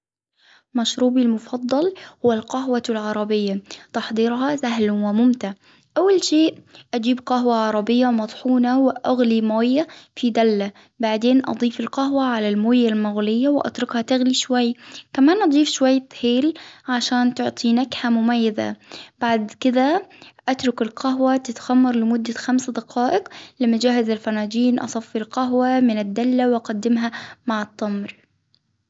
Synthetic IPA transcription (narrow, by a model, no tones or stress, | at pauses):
maʃɾuːbilmʊfɑd̪ˤːɑlhʊwalqɑɦwalʕɑɾˤɑbɪjːat̪ɑħd̪ˤiːɾɦɑsaɦlwɪmʊmt̪aʕ | ʔawːalʃeːʔʔad͡ʒiːbqɑɦwaʕɑɾˤɑbɪjːawmɑt̪ˤħuːnawɪʔaɣlimoːjːafid̪alːa | baʕd̪eːnʔɑ̰d̪ˤiːfɪlqɑɦwaʕalalmoːjːalmʊɣlɪjːawɪʔɑ̰t̪ɾʊkhat̪aɣliʃwajːkamaːnʔɑd̪ˤiːfʃwajːt̪heːlʕaʃaːnt̪ʊʕt̪ˤinaɡħamʊmajːɪza̰b̥aʕd̪kɪd̪aʔat̪ɾʊkɪlqʰaɦwat̪ɪt̪xamːɑɾˤlɪmʊd̪ːaxamsd̪ɑqʰɑːʔɪqlɪmad͡ʒaːhɪzalfanaːd͡ʒiːnʔɑ̰sˤɑfːilqaɦwamɪnɪd̪ːalːawʔɑqɑd̪ːɪmɦamaʕɪt̪ˤːɑmɾ